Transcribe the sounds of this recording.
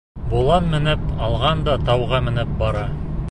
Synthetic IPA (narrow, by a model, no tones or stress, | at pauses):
bolˠɑnmɘ̆nɘpɑlˠʁɑnd̪ɑt̪ɑwʁɑmɘ̆nɘp̚bɑɾɑ